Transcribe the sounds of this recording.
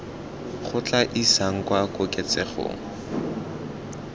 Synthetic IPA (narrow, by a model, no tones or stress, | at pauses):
χʊt͡ɬaʔisaŋ̩kwakʊkʼɛt͡sɛχʊ̰ːŋ̩